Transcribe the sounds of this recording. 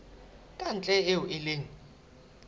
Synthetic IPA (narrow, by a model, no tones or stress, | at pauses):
kʼant͡ɬʼɛeʊʔɪleːŋi